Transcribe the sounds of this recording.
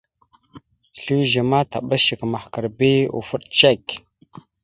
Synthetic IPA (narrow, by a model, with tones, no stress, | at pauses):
ɬu˦wʒi˨ma˦ta̰˨ɓa˦ʃi˨kma˨ka˨ɾbi˦ṵ˨fu˦ɗt͡ʃe˦˨k